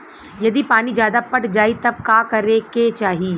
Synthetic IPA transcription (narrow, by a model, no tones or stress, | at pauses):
jɐd̪ipaːnid͡ʒjaːd̪apɐʈd͡ʒaːit̪ɐb̚kaːkɐɾeket͡ʃaːɦiiː